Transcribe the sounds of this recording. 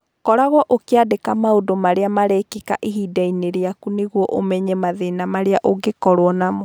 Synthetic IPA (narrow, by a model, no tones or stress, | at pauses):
kɔɾaɣwɔʔokeadekamaodomaɾeamaɾɛkeka̰ʔiɦidaineɾeakuneɣwɔʔomɛɲɛmaðenamaɾeaʔoɡekɔɾwɔnamo